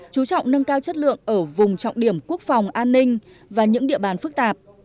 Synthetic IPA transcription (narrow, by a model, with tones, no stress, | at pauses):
t͡ɕu˨˦t͡ɕɔ̰˧˨wŋ͡mnə˧ŋkaː˧wt͡ɕə˦˥t̚lɨ̰˧˨əŋʔəː˧˩vʊ˨˩ŋ͡mt͡ɕɔ̰˧˨wŋ͡mɗi˧˩əmku˦˥ək̚fa˨˩wŋ͡mʔaː˧nːï˧ŋ̟ | vaː˨˩ɲɨ̰˧˥ŋɗḭ˧˨əɓaː˨˩nfɨ˦˥k̚t̪aː˨˩p̚